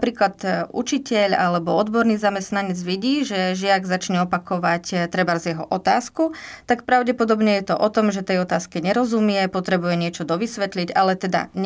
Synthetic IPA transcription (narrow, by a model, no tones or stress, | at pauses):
pɾiːklad̪ṵt͡ʃicɛʎalɛbɔɔd̪bɔɾniːzamɛst̪naɲɛd͡zʋiɟiːʒɛʒɪaɡzat͡ʃɲɛɔpakɔʋact̪ɾɛbaɾzjɛɦɔʔɔt̪aːskut̪akpɾaʊɟɛpɔd̪ɔbɲɛjɛt̪ɔʔɔt̪ɔmʒɛt̪ɛjɔt̪aːskɛɲɛɾɔzumɪɛpɔt̪ɾɛbujɛɲɪɛt͡ʃɔd̪ɔʋisʋɛt̪liɟalɛt̪ɛd̪a̰ɲ